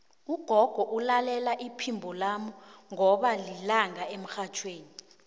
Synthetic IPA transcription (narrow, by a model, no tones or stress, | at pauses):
uɡ̥ʱɔɡ̥ʱɔʔulalɛlaʔipʰimbʱɔlamuŋɔɓalilaŋaem̩xat͡ʃʰweːni